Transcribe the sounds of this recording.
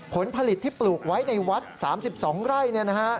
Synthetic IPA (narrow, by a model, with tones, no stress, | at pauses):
pʰo˩˦npʰa˧li˨˩t̪ʰːiː˥˩pluː˨˩k̚wa˦˥jna˧jwa˦˥t̪̚saː˩˦msi˨˩p̚sɔː˩˦ŋɾa˥˩jni˥˩na˦˥ka˦˥ʔ